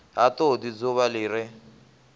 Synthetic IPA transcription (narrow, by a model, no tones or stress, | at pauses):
ɦatodid͡zoβalɪːɾɪ